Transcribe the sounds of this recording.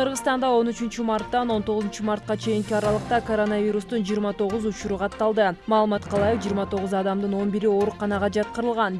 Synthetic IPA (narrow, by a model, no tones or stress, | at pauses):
qʰɯɾʁət̪ɑnd̪ɑo̞nyt͡ʃynt͡ʃymɑrt̪ːɑno̞nt̪o̞ʁzunt͡ʃumɑɾt̪̚qɑt͡ʃʰe̞jiŋkiɑɾɑlˠɯqt̪ɑkoɾo̞navʲiɾust̪und͡ʒijːɾmɑt̪ʰo̞ʁuzut͡ʃuɾuqʰɑt̪ːɑlˠd̪ɯmɑːlˠɯmɑt̪qʰɑlˠɑjɯqd͡ʒiːɾmɑt̪ʰo̞ʁuzɑd̪ɑmd̪ɯno̞nbiɾio̞ɾuqɑnɑʁɑd͡ʒɑt̪̚qəɾɯlˠʁɑn